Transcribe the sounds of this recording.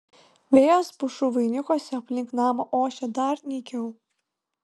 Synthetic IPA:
ʋʲeːjoːspʊʃuʋɐɪnʲʊkoːsʲɛɐpʲlʲɪŋknɑːmoʔoːʃʲɛd̪ɐɾnʲɛkʲɛʊ

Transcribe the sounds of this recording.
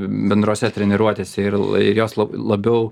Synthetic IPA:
bʲɛnd̪ɾoːsʲɛt̪ʲɾʲɛnʲɛɾuɔt̪ʲeːsʲɛɪɾɪjoːslˠɐlˠɐbʲɛʊ

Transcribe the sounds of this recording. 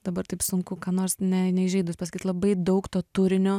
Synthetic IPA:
d̪ɐbɐrt̪ɐɪpsʊŋkʊkɑːnoːɾsnʲɛnʲɛɪʒʲɛɪd̪ʊspɐsɐkʲiːt̪lˠɐbɐɪd̪ɐʊkt̪oːt̪ʊɾʲɪnʲoː

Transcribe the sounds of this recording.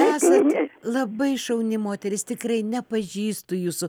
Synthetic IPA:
æːsɐt̪lˠɐbɐɪʃɐʊnʲɪmoːt̪ʲɛɾʲɪst̪ʲɪkrɐɪnʲɛpɐʒʲiːst̪ʊjuːsʊ

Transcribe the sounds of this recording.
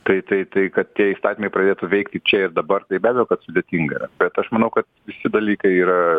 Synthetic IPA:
t̪ɐɪt̪ɐɪt̪ɐɪkɐt̪t̪ʲiɛiːst̪ɑːt̪ʲimɐɪpɾɐd̪ʲeːt̪uʋʲɛɪkt̪ʲɪt͡ʃʲɛɪɾd̪ɐbɐrt̪ɐɪbʲæːbʲɛjoːkɐt̪sʊd̪ʲeːt̪ʲiŋɡɐḭɾɐb̥ʲɛt̪ɐʃmɐnɐʊkɐt̪ʋʲɪsʲɪd̪ɐlʲiːkɐɪiːɾɐ

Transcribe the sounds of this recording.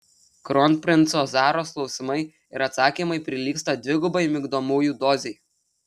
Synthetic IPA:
kɾɔnpʲɾʲɪnt̪soːzɑːɾoːsklˠɒʊsʲɪmɐɪ | ɪɾɐt̪sɑːkʲiːmɐɪpʲɾʲɪlʲiːkst̪ɐd̪ʲʋʲɪɡʊbɐɪmʲɪɡd̪oːmuːjuːd̪oːzʲeɪ

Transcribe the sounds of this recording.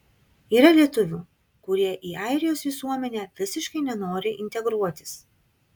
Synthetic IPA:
iːɾɐlʲiɛt̪ʊʋʲuː | kʊɾʲiɛʔiːɑɪɾʲɪjoːsʋʲɪsuɔmʲɛnʲæːʋʲɪsʲɪʃkɐɪnʲɛnoːɾʲɪʔɪnʲt̪ʲɛɡɾuɔt̪ʲɪ̥s

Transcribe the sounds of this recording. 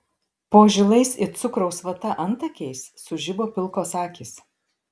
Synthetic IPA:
poːʒʲɪlˠɐɪsɪt̪sʊkɾɐʊsʋɐt̪ɐʔɐnt̪ɐkʲɛɪsːʊʒʲɪboːpʲɪlˠkoːsɑːkʲiːs

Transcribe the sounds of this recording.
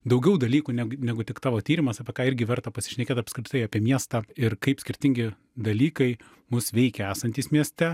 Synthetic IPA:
d̪ɐʊɡʲɛʊd̪ɐlʲiːkuːnʲæɡnʲæːɡʊt̪ʲɪkt̪ɑːʋoːt̪ʲiːɾʲɪmɐsɑːpʲɛkɑːɪɾʲɡʲɪʋʲɛɾt̪ɐpɐsʲɪ̥ʃʲnʲɛkʲeːt̪ɐpskɾʲɪt̪ɐɪɑːpʲiɛmʲiɛst̪ɑːɪɾkɐɪpsʲkʲɪɾʲt̪ʲɪŋʲɡʲɪ | d̪ɐlʲiːkɐɪ | mʊsʋʲɛɪkʲɛæːsɐnʲt̪ʲiːsmʲiɛsʲt̪ʲɛ

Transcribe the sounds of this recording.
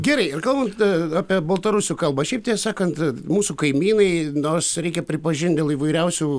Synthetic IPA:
ɡʲɛɾɐɪɪrkɐlˠbɐnt̪ɑːpʲiɛbɐlˠt̪ɐɾʊsʲuːkɐlˠbɐːʃʲɛɪp̚t̪ʲiɛsɑːkɐnt̪muːsukɐɪmʲiːnɐɪnorsɾʲɛɪkʲɛpʲɾʲɪpɐʒʲɪnt̪ʲdʲeːlˠiːʋɐɪɾʲɛʊsʲuː

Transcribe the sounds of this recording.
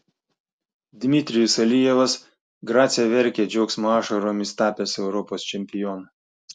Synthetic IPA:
d̪ʲmʲɪt̪ʲɾʲɪjʊsɐlʲɪjɛʋɐs | ɡɾɑːt̪sʲijɛʋʲɛɾʲkʲeːd͡ʒʲɛʊksmoɑːʃɐɾoːmʲɪst̪ɑːpʲeːsɛʊɾɔpoːst͡ʃʲɛmʲpʲɪjɔn

